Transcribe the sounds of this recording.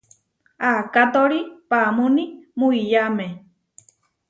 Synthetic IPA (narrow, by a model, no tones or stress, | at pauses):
akat̪oɾipamunimuijamẽ